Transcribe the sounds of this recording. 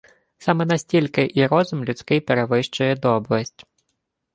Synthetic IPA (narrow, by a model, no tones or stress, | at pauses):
sɑmɛnɐsʲtʲilʲkɪʔiɾɔzʊmlʲʊt͡sʲkɪjpeɾeʋɪʃt͡ʃʊjɛd̪ɔblˠɐsʲtʲ